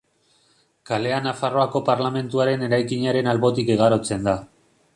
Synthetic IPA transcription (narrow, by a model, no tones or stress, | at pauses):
kale̞anafaro̞ako̞paɾlame̞nt̪uaɾe̞ne̞ɾajkiɲaɾe̞nalβo̞t̪ikeɣ̞aɾo̞t͡se̞nd̪a